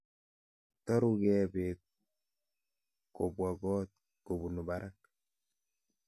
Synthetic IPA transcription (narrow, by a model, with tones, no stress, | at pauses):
tɔ˦ɾu˦kɛ˦be˨ | ko˨bwa˨ɡɔ˦t̚ | ko˨bu˨nu˨ba˨ɾʔa˦k